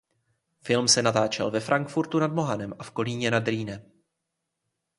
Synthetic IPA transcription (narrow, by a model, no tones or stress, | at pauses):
fɪlmsɛnat̪aːt͡ʃɛ̰lvɛfɾʔaŋkfuɾt̪unadmo̞ɦanɛmʔafko̞liːɲɛnadɾiːnɛm